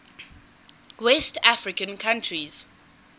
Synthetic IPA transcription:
wɛstafɹɪkə̃nkʰãntʰɹiz̥

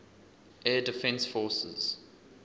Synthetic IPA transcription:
ʔɛːdɪfɛ̃nsfɔːsə̰z̥

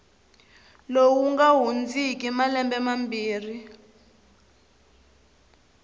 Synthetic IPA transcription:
lowuŋɡaɦund͡zik̬ʼimalɛmbɛmambiːri

